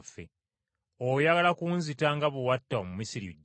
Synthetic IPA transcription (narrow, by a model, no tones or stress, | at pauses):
fːḛ | ojaɡalakuːnzitaŋɡaβuwatːaomumisiɾḭɟ